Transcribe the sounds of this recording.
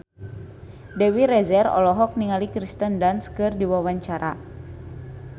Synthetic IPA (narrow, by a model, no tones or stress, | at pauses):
dɛwiɾɛzɛrɔ̰lɔɦɔk̚niŋalikɾist̪əndanskɨrdiwawaɲt͡ʃaɾa̰